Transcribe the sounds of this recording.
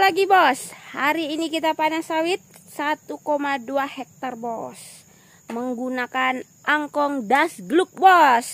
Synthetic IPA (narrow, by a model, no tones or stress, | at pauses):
laɡibɔshaɾiːnikit̪apanasawit̪̚ | sat̪ukomaduahɛk̚t̪arbɔs | məŋɡunakan | ʔaŋkɔŋdasɡluk̚bɔs